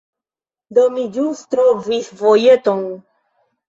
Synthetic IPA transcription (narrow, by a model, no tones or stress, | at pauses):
d̪ɔmid͡ʒust̪ɾɔviθvɔjɛt̪ɔŋu